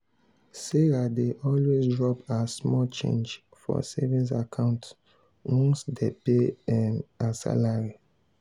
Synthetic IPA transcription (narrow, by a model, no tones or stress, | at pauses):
seɹadeʔɔlwezdɹɔpasmɔlt͡ʃḛ̃nd͡ʒ | fɔ̰sevĩns̬akʰãʊ̃nt | wɔ̃ŋsdepemãnsa̰laɹi